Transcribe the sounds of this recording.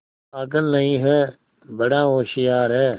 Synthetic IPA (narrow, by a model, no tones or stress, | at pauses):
aːkəlnəĩːɦɛː | bəɽãːɦoːʃɪjaːɾɦɛː